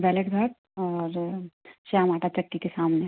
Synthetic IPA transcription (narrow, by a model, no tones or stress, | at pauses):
ʋɛːlekd̪ʱɐt̚ | ɔːɾʃamaːʈat͡ʃɐkːikesaːmne